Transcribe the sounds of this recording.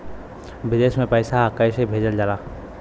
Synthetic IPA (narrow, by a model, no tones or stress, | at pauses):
bɪd̪eːsmẽpəɪsakəɪsebʱeːd͡ʒəld͡ʒalaː